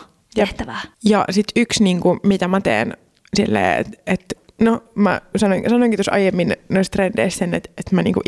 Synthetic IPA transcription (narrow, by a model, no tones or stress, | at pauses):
jɑt̪ːæʋæjɑ̰sit̪yksniːŋkumit̪æmæt̪ḛːn | silːḛːḛt̪et̪ | nomæ̰sɑnoiŋsɑnoiŋkit̪osɑ̰jemːinnoist̪rend̥ḛissenḛt̪et̪mæniːŋkuʔ